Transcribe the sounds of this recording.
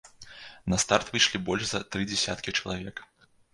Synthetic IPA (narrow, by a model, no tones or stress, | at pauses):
nɐst̪art̪vɨʂlʲibɔlʲʐzɐt̪ɾɨd͡zʲɛsʲa̰t̪kʲit͡ʂɐlˠavʲɛk